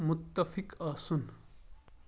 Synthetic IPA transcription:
mʊt̪ːɐfɪkaːsun

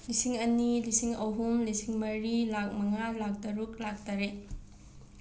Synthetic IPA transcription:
lisiŋɐnilisiŋɐwɦumlisiŋmɐɾilak̚mɐŋalak̚dɐɾuk̚lak̚taɾe

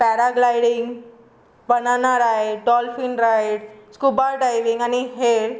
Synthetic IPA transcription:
pɛːɾaɡlaːɪɽɪŋɡ | bɐnaːnaɾajɖɔːlfinɾaɪɖskubaɾɖaɪʋɪ̃ŋɡaniɦeːɾ

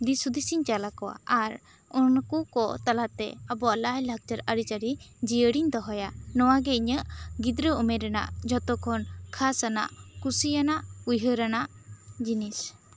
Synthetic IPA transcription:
d̪isud̪isiɲt͡ʃalakɔwa̰ʔaɾ | unkukɔt̪alat̪ɛ̰əbɔalahlak̚d͡ʒəɾaɾit͡ʃaɾi | d͡ʒijəɽiɲd̪ɔɦɔjanɔwaɡɛiɲəʔɡid̪ɾəɔmɛɾɛna̰ʔd͡ʒɔt̪ɔkʰɔnkʰasana̰ʔkusijanaʔujɦəɾanaʔd͡ʒinis

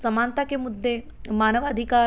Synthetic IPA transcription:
səmaːnt̪akemʊd̪ʱːe | maːnəʋad̪ʱika

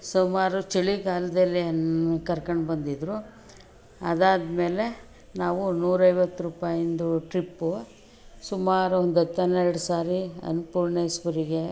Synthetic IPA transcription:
sumaːɾut͡ʃiɭiɡaːlɐd̪ɐlːiɐnkɐɾkɐɳɖbɐnd̪id̪ɾu | ɐd̪aːd̪me̞ːle̞ | naːʋunuːɾɐjʋɐt̪ːɾuːpaːjind̪uʈɾipːu | sumaːɾuond̪ɐt̪ːɐnɛɾɽusaːɾiɐ̰nupuːɾɳeːsʋuɾiɡe̞

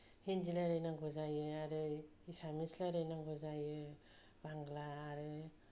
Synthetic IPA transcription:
hind͡ʒilaɾɯjnaŋɡʱɔzajɯaɾɯisamislaɾɯjnaŋɡʱɔzajɯ | baŋɡlaːɾɯ

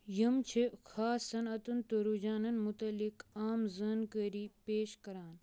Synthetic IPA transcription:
jɐmt͡ʃʰekʰaːsɐnɐt̪unt̪ɐɾud͡ʒaːnɐnmut̪ɐlːikaːmzənkəɾiːpeːʃkɐɾaːn

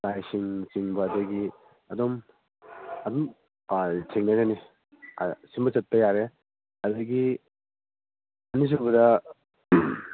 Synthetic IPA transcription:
lajsiŋsiŋbɐdɐɡi | ɐdɔm | ɐdɔm | atʰeŋnajnani | simbɐt͡ʃɐt̚pɐjaɾe | ɐdɐɡi | ɐnis̬uŋbɐdɐ

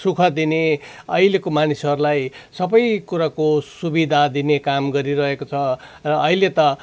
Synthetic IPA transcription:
sukʰʌd̪ine | ʌilekomanisɦʌɾulajsʌbʌjkuɾakosubid̪ʱad̪inekamɡʌɾiɾʌɦekot͡sʰʌrʌːilet̪ʌ

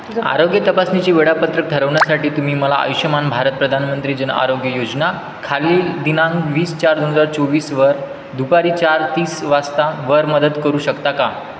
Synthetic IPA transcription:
a̰ɾoɡjət̪əpasnit͡ɕiːʋeɽapət̪ɾək̚d̪ʱəɾəʋɳjasaʈiːt̪um̤iːməla̰a̰juɕəmanbʱaɾət̪̚pɾəd̪ʱanmənt̪ɾiːd͡ʑəna̰ɾoɡjəjod͡ʑna | kʰaliːd̪inãŋɡʋiːst͡ɕaɾd̪onɦəd͡zaɾt͡soʋiːsʋəɾ | d̪ʱupaɾiːt͡ɕaɾt̪iːsʋast̪aʋəɾməd̪əd̪kəɾuːɕəkt̪aka

